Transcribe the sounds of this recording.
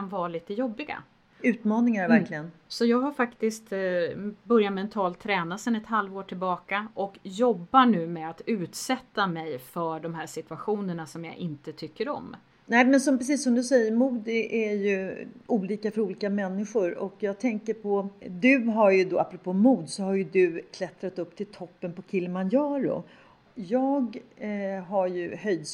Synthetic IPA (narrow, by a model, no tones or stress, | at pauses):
kʰanvɑːliːt̪əjɔbːɪɡa̰ | ʉ̟ːt̪mɑːnɪŋaɾvæɾkʰlɪɡənsɔjɑːɡɦaɾfakt̪ɪst̪ | bœɾjat̪mɛnt̪ʰɑːlt̪ʰːɾɛːnasɛnɛt̪halvoːʈʰɪlbɑːkaʔɔkjɔbːaɳʉ̟ːmɛat̪ʉ̟ːt̪sɛt̪ːamɛjfœɖɔmɦæːʂɪt̪ʉaɧuːnəɳasɔmja̰ʔɪnt̪ət̪ʰʏkːəɾɔ̰mː | nɛːmɛnsɔmpʰɾɛsiːsːɔmd̪ɵsɛjːəɾmuːd̪ʔæɾjɵʔuːliːkafœɾuːliːkamɛnːɪɧʊɾɔ̰kjɑːɡt̪ʰɛŋkəɾpʰɔd̪ɵɦaɾjɵd̪o̰ːapːɾʊpʰoːmuːd̪sɔhaɾjɵd̪ɵkʰlɛt̪ɾat̪ɵpːt̪ʰɪlt̪ʰɔpːənpɔkʰɪlːmanjɑːɾʊ̰ | jɑːɡ | ɦaɾjɵhœjd̪s